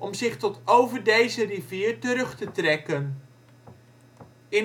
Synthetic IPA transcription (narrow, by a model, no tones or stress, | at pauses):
ʔɔmzɪχtɔtowvəɹdejzəriviːɹtəɾɵχtətrɛkən | ɪ